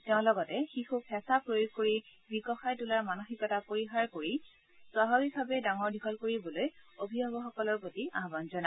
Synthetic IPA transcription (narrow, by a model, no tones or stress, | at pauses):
teʊ̃lɔɡɔtɛxixupʰɛsapɹojuɡkoɹibikɔxajtulaɹmanoxikɔtapoɹixaɹkoɹi | swaɦɔbibʱabɛdaŋɔɹdʱikʰɔlkoɹibɔlojobʱibɔbɔxɔkɔlɔɹpotiaɦbanzɔna